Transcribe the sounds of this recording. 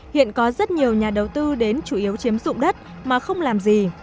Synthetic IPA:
hḭ˧˨ənkɔ˨˦zə˦˥t̚ɲi˨˩əwɲaː˨˩ɗə˨˩wt̪ɨ˧ɗe˨˦nt͡ɕu˧˩ʔi˨˦əwt͡ɕi˨˦əmzʊ̰˧˨ŋ͡mɗə˦˥t̚ | maː˨˩xə˧wŋ͡mlaː˨˩mzi˨˩

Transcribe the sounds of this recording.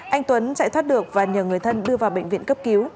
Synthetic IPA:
ʔa˧jŋ̟t̪wə˨˦nt͡ɕa̰˧˥jt̪ʰaː˦˥t̚ɗɨ˨˩ək̚vaː˨˩ɲəː˨˩wŋɨ˨˩əjt̪ʰə˧nɗɨ˧əvaː˨˩wɓḛ˧˨ŋ̟vḭ˧˨ənkə˦˥p̚ki˨˦w

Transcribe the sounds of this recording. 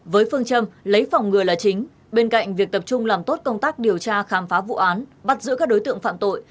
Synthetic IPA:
vəː˨˦jfɨ˧əŋt͡ɕə˧mlə˨˦jfɔ˨˩wŋ͡mŋɨ˨˩əlaː˨˩t͡ɕï˨˦ŋ̟ | ɓe˧nka̰˧˨jŋ̟vi˨˩ək̚t̪ə˨˩p̚t͡ɕʊ˧ŋ͡mlaː˨˩mt̪o˦˥t̚kə˧wŋ͡mt̪aː˦˥k̚ɗi˨˩əwt͡ɕaː˧xaː˨˦mfaː˨˦vṵ˧˨ʔaː˨˦nɓa˦˥t̚zɨ̰˧˥kaː˦˥k̚ɗo˨˦jt̪ɨ̰˧˨əŋfa̰ː˧˨mt̪o̰˧˨j

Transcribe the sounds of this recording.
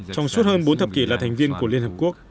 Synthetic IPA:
t͡ɕɔ˧wŋ͡msu˦˥t̚həː˧nɓo˨˦nt̪ə˨˩p̚ki˧˩laː˨˩t̪ʰɛ˨˩ŋ̟vi˧ənku˧˩li˧ənhə˨˩p̚ku˦˥k̚

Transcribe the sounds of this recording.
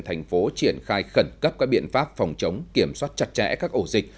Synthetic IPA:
t̪ʰa˨˩jŋ̟fo˨˦t͡ɕi˧˩ənxaː˧jxə˧˩nkə˦˥p̚kaː˦˥k̚ɓḭ˧˨ənfaː˦˥p̚fɑ˨˩wŋ͡mt͡ɕə˨˦wŋ͡mki˧˩əmswaː˦˥t̚t͡ɕa˧˥t̚t͡ɕɛ̰˧˥kaː˦˥k̚ʔo˧˩zi˨˩k̟̚

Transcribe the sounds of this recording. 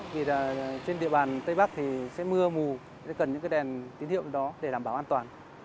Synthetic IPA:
vi˨˩laː˨˩t͡ɕe˧nɗḭ˧˨əɓaː˨˩nt̪ə˧jɓa˦˥k̚t̪ʰi˨˩sɛ̰˧˥mɨ˧əmu˨˩ | sɛ̰˧˥kə˨˩nɲɨ̰˧˥kaː˨˦jɗɛ˨˩nt̪i˨˦nhi˧˨əwɗɔ˨˦ɗe˧˩laː˨˧˩mɓaː˧˩wʔaː˧nt̪waː˨˩n

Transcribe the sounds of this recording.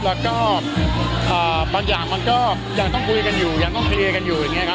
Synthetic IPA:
lɛː˦˥kɔː˥˩ | ʔəː˨˩baː˧ŋjaː˨˩ŋma˧nkɔː˥˩ | jaː˨˩ŋt̪ɔ˥˩ŋkʰu˧jka˧njuː˨˩jaː˨˩ŋt̪ɔ˥˩˧li˧əka˧njuː˨˩ja˨˩ŋaː˦˥˧kʰa˦˥

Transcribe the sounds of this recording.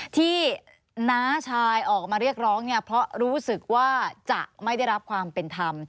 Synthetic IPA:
t̪ʰiː˥˩ | naː˦˥t͡ɕʰaː˧jʔɔː˨˩k̚maː˧ɾi˥˩ək̚ɾɔː˦˥ŋni˥˩ɐpʰɾɔ˦˥ɾuː˦˥sɯ˨˩k̚waː˥˩t͡ɕa̰˨˩ʔma˥˩jda˥˩jɾa˦˥p̚kʰwaː˧mpe˧nt̪ʰa˧m

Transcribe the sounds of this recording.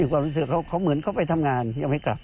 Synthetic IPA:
a˧˩ŋkwaː˧ɾu˦˧˥s̬ɯ˨˧˩kʰa˧˥˩wkʰa˧˥˩wmɯ˨˩˦ənkʰa˧˩wpa˧jt̪ʰa˧mŋaː˧njaː˧ŋmha˥˩jkla̰˨˩p̚

